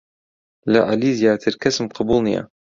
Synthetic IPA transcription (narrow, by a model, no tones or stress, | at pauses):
laʔalizjaːt̪ʰɪɾkasmqɑbulnija̰